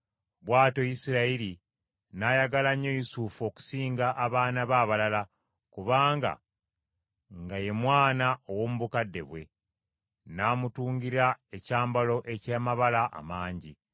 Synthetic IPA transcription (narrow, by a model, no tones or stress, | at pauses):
βwaːto̞jisiɾaiɾi | najaɡalaɲːo̞jisufo̞ku̥siːŋɡaʔːβaːnaβaːβalala | kuβaːŋɡa̰ | ŋɡaje̞mwaːnaowo̞ːmuβukadːe̞̰βwe̞̰ | naːmutuːŋɡiɾaecaːmbalo̞ʔe̞caːmaβalaʔa̰maːɲɟi